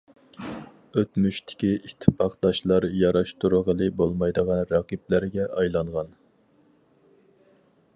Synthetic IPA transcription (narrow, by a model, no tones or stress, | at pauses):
øt̪myʃt̪ʰɪ̥kʲiʔit̪ʰːɨpʰɑqd̪̥ɑʃlˠɑɾjɑɾɑʃt̪uɾəʁəlˠɨbolˠmɑjd̪əʁɑnɾɑqip̚læɾɡʲɛʔɑjlˠɑŋʁɑn